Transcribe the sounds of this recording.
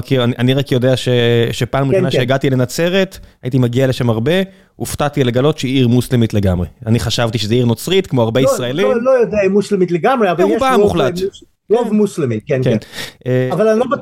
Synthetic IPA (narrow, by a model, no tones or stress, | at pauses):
kiʁaniʔaniʁakjo̞deaʃeʃepaːmimaʃʃeːɡat̪ilenat͡se̞ʁe̞t̪ait̪imaɡiale̞ʃamaʁbe̞ | uftat̪ileɡalo̞tʃeiiʁmuslemitle̞ɡamʁeaniχaʃavt̪iʃezeiʁno̞t͡sʁitkmoaʁbeisʁaelilojod̪eaimuslemitleɡamʁeavalʁubamuχlatu | ʁovmuslemitkenkenʔeavalnilob